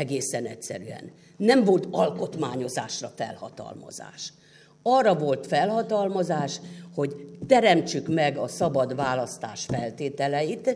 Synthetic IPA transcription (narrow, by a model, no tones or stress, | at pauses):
ɛɡeːsɛnɛtʲsɛ̰ɾyɛ̰nː | ɛɱvo̞lt̪ɒlko̞t̪maːɲo̞zaːʃrɒfɛ̰lhɒ̰t̪ɒ̰lmɒ̰za̰ːʃ | ɒrːɒvo̞lt̪fɛlhɒt̪ɒlmɒzaːʃho̞ɟt̪ɛɾɛmt͡ʃykmɛɡɒsɒbɒd̪ʋaːlɒst̪aːʃfɛlt̪eːt̪ɛlɛjit̪